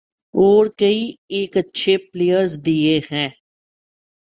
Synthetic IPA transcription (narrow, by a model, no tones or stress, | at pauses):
oːɾkəieːkətːʃʰepleːjəɾzd̪iehɛ̃ː